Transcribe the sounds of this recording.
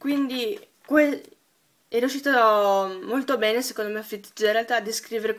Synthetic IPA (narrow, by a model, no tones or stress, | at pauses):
kwind̪i | kwe | ɛɾjuʃːiːt̪omolt̪obɛːnesekond̪omeafit̪ːi̥t̪ːoɾealt̪aːd̪iskɾiːveɾe